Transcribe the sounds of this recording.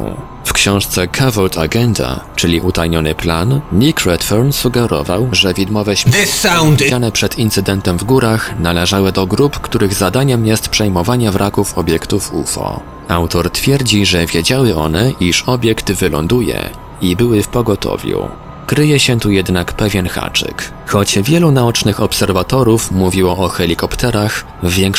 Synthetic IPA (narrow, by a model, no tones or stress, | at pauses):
fkɕɔ̃w̃ʂt̪sɛkʰavɔlt̪ʰa̰ɡɛnd̪a̰t͡ʂɘlʲiʔut̪ajɲɔnɘplannʲikɾɛt̪fɔɾnsuɡɛɾɔ̰vawʐɛvʲid̪mɔvɛɕsawd̪anɛpʂɛt̪int̪sɘd̪ɛnt̪ɛmvɡuɾaxnalɛʐawɘd̪ɔɡɾupkt̪uɾɘɣzad̪aɲɛmjɛst̪pʂɛjmɔvaɲɛvɾʔakufɔbʲjɛkt̪ufṵfɔ̰ | awt̪ɔɾt̪fʲjɛɾd͡ʑiʐɛvʲjed͡ʑawɘɔ̰n̪ɛʔiʂɔbʲjɛkt̪vɘlɔ̰nd̪ujɛ̰ | ibɘwɘfpɔɡɔt̪ʰɔ̰vʲjṵ | kɾɘjɛɕɛt̪ujɛd̪nakpɛvʲjɛnxa̰t͡ʂɘ̰k | xɔd͡ʑvʲjɛlunaɔt͡ʂnɘxɔpsɛɾvat̪ɔɾufmuvʲiwɔʔɔxɛlʲikɔpt̪ɛɾaxː | jɛŋk